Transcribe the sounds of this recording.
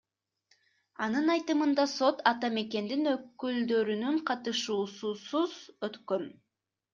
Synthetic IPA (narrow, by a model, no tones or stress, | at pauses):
ɑnɯnɑjt̪ɯmɯnd̪ɑso̞t̪ɑt̪ɑme̞ke̞nd̪inøkːyld̪ø̞ɾynyɴqʰɑt̪ɯʃuːsusuzøt̪kø̞n